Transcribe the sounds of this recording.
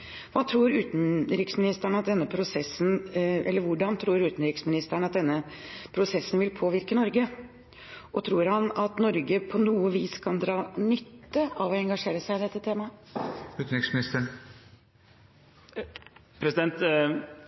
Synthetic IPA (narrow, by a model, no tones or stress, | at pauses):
ʋɑːt̪ʰɾuːɾʉːt̪n̩ɾɪksmɪnɪst̪æɳəɑt̪̚d̪ɛnːəpʰɾʊsɛsːnʔɛ̰lːəɾʋʊɖɑnt̪ʰɾuːɾʉːt̪n̩ɾɪksmɪnɪst̪æɳɑt̪̚d̪ɛnːəpʰɾʊsɛsːənʋɪlpʰoːʋɪɾkənɔɾɡə | ɔt̪ʰɾuːɾhɑnɑt̪nɔɾɡəpʰɔnuːəʋiːskʰɑnd̪ɾɑːnʏt̪ːəʔɑʋɔɛŋɡɑʂeːɾəsæɪd̪ɛt̪ːət̪ʰeːmɑʉːt̪n̩ɾɪksmɪnɪst̪əɳ | pʰɾɛsɪd̪ɛnt̪